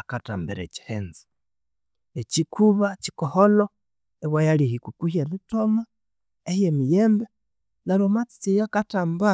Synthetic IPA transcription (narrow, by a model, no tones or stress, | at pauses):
akata̰ːmbeɾḛci̥heːnzi̥ | ecikʰuβaci̥koholo | ewajalihikukuhjemitoma | ehjemijeːmbe | nalomat͡si̥t͡sijakataːmba